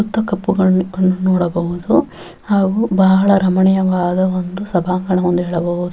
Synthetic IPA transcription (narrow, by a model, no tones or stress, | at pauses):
ut̪ːɐkɐpːuɡɐɐnːunɔːɽɐbɐɦud̪u | haːɡubaːɐɭɐɾɐmɐɳɛjɐʋaːd̪ɐʋond̪usɐbʱaːŋɡɐɳɐond̪uɦɛːɭɐbɐɦud̪u